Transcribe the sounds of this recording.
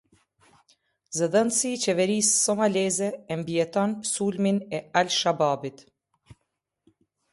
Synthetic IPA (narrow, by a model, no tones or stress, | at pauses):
zɛðɛnsiːt͡ʃɛvɛɾisːɔmalɛzɛːmbiɛt̪ɔnpəsulminɛalʃababit̪